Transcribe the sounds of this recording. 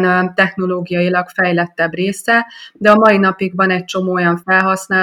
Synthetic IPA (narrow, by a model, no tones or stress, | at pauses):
nt̪ɛxn̪o̞loːɡijɒjilɒɡfɛjlɛt̪ːɛbreːsɛd̪ɛɒmɒinɒpiɡvɒnɛc̚t͡ʃo̞moːojɒɱfɛlɦɒsnaː